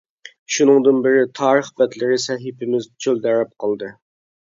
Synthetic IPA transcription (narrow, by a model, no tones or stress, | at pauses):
ʃunɨŋd̪ɨnbɪɾɪt̪ʰɑːɾəχbɛt̪lɪɾɪsɛɦɪpʰɪmɪzd͡ʒʰøld̪ɛɾɛp̚qʰɑlˠd̪ɨ